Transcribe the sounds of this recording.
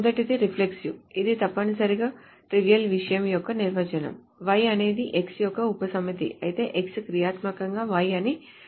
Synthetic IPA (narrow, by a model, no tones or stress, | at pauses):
d̪ɐʈid̪iɾipʰleksjuid̪it̪ɐpːɐnisɐɾiɡaː | ʈɾiʋijɐlʋiʂɐjɐmjɔkːɐniɾʋɐt͡ʃɐnɐ̰m | ʋɐjɐne̞ːd̪iʔeksjɔkːɐupɐsɐmit̪ḭʔɐ̰jit̪e̞̰ːʔekskɾijaːt̪mɐkɐŋɡaːʋɐjɐni